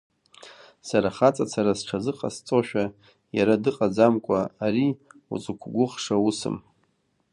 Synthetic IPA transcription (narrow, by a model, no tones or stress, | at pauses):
saɾaχat͡sʼat͡sʰaɾasʈ͡ʂʰazɨqʼast͡sʼoʃᶣa | jaɾadɨqʼad͡zamkʷʼaaɾiṵt͡sʼukʷʰɡʷʊχʂausɨ̰m